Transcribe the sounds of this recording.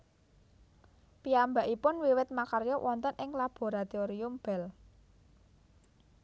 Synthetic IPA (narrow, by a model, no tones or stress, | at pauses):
piambaʔipʊnwiwɪt̪̚makarjɔwʔɔnt̪ənʔɪŋlab̥o̤ɾat̪eoɾiʊmb̥ɛ̤l